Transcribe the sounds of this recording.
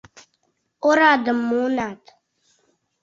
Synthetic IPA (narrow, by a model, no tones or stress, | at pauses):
oɾaːd̪əmːuːnaːt̪